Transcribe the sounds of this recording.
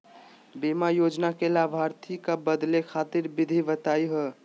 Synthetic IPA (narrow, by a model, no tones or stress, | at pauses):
bimajod͡ʒnakelabʱaɾt̪ʰikabəd̪lekʰat̪iɾbid̪ʱiʋət̪ajɦə